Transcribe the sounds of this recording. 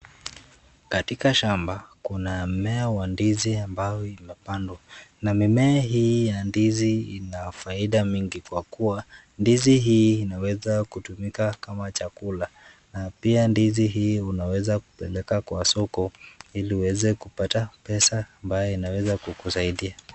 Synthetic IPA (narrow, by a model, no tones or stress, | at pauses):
katikaʃambakunam̩mɛawandiziambajɔimɛpandwanamimɛaɦijandiziinafaiɗamiŋɡikwakua | ndiziɦiːnawɛzakutumikakamat͡ʃakula | napiandiziɦiːunawɛzaku̥pɛlɛkakwasɔkɔiliuwɛzɛkupatapɛsaːmbajɔinawɛzakukusaiɗia